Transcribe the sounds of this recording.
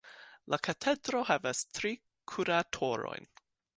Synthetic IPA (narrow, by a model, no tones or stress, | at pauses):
lakʰatʰedɾo̞ɦavastɾi | kʰuɾatʰoɾo̰jn